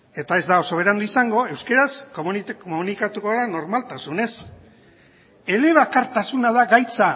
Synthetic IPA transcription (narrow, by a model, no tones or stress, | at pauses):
e̞t̪ae̞zd̪ao̞so̞β̞e̞ɾand̪uisaŋɡo̞e̞wske̞ɾaskommunikat̪ukoɣɾano̞ɾmalt̪asune̞s | e̞le̞β̞akaɾt̪asunað̞aɡajt͡sa